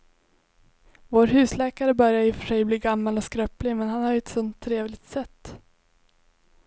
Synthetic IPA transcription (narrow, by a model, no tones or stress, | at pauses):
voːɾɦʉ̟ːslɛːkaɾəbœɾjajɵfœ̥ʂɛjbliːɡamːalɔskɾœplɪmɛnhanhaɾjɵɛt̪sɵnt̪ʰːɾeːvlɪɡ̚t̪sɛt̪ː